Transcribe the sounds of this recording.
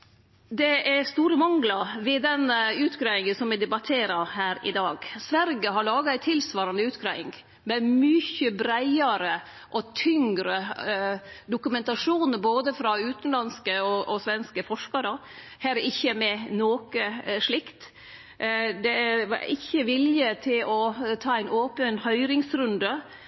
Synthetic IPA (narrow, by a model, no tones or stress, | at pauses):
d̪ɛʔæst̪uːɾəmɑŋɡlɑʋɪd̪ɛnʉːt̪ɡɾɑɪŋənsɔmʋɪd̪ɛbɑt̪ʰeːɾɑhæːɾɪ̰d̪ɑːɡsʋæɾɡəɦɑɭɑːɡɑæɪt̪ʰɪlsʋɑːɾɑnd̪əʉːt̪ɡɾæɪ̰ŋ | mɛmʏçəbɾæɪɑɾə | ʔɔt̪ʰʏŋɡɾə | d̪ʊkʉmɛnt̪ɑʂuːnəɾboːd̪əfɾɑʉːt̪nlɑnskəɔʔɔsʋɛnskəfɔʂkɑɾə | hæːɾɪçːəmɛnoːkəʂɭɪkt̪ | d̪ɛʋɑ̰ɾʔɪçːəʋɪljət̪ʰɪlɔt̪ʰɑːæɪnoːpənhœʏɾɪŋsɾʉnd̪ə